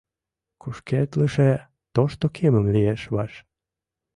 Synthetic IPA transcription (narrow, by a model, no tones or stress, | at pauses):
kuʃket̪ləʃe | t̪oʃt̪okʰeməmlieʃβɑʃ